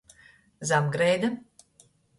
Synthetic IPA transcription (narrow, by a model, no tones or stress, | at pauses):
zamɡɾɛjd̪a